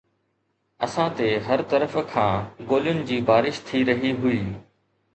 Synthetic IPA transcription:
ɐsãt̪eɦɐɾt̪ɐɾəfkʰãːɡoːljʊnɪ̆d͡ʑiːbaːɾɪʃt̪ʰiɾɐɦiɦʊiː

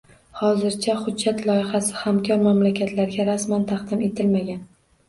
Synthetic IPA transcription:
hɒzɪɾt͡ʃʰaχʊd̪d͡ʒːat̪lˠɒjɪχasɪ̥hamkʲʰɒɾmamlakʲʰat̪ʰlaɾɡʲaɾasmant̪ʰaqd̪ɪme̞t̪ʰɪlmaɡʲan

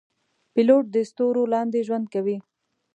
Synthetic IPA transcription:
pɪloʈ̚d̪əst̪oɾolɑnd̪eʒwand̪̚kawi

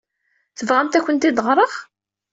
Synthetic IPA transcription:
θəvʁæmt̪æçʷənt̪id̪əʁɾˤəχ

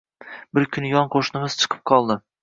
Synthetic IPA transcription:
bɪɾkʲʰʊnjɒnqʰoʃnɪmɪz̥t͡ʃʰɨ̥qʰɨ̥p̚qʰɒlˠd̪ɪ

